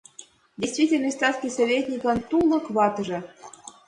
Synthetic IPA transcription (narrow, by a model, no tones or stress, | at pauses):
dʲejsʲt̪vʲitʲɪlnəsʲt̪ɑt̪kʲisovʲetʲnʲikɑnt̪ulˠɤ̆kβɑt̪ɤʐɤ̆